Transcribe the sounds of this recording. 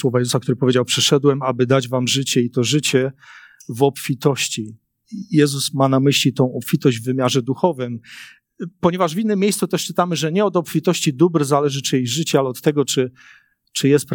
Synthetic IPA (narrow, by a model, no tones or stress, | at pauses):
swɔvajɛzusakt̪uɾɘpɔvʲjed͡ʑawpʂɛʂɛd̪wɛmabɘd̪ad͡ʑvamʐɘt͡ɕɛit̪ɔʐɘt͡ɕɛ | vɔpfʲit̪ɔɕt͡ɕi | jɛzusmanamɘɕlʲit̪ɔ̃w̃ɔpfʲit̪ɔʑd͡ʑʲvːɘmʲjaʐɛd̪uxɔvɘm | pɔɲɛvaʐvʲinːɘmʲːjejssut̪ɛʂt͡ʂɘt̪amɘʐɛɲɛɔd̪ɔpfʲit̪ɔɕt͡ɕid̪ubɾzalɛʐɘt͡ʂɘjejʐɘt͡ɕɛalɛɔt̪ːɛɡɔt͡ʂɘ | t͡ʂɘjɛst̪̚p